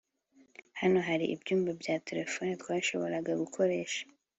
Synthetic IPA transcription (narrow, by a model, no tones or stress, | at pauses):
hano̞ɦaɾiʔḭbjuːmbabɟaːte̞ɾe̞fonet̪waːʃo̞βo̞ɾaɡaɡukʰo̞ɾe̞ːʃḁ